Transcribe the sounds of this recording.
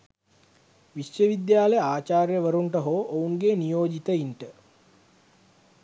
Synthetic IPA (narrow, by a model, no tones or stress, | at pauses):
ʋiʃjəʋid̪jaːlejəaːt͡ʃaːɾjəʋəɾuɳʈəɦoːʔouŋɡeːnijoːd͡ʒit̪əinʈə